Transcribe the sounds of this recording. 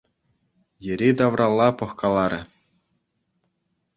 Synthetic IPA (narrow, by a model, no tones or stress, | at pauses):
jɘ̆ɾʲid̪ɑʋrʔɑlˠːɑpɤ̆χkɑlˠɑɾʲɘ̆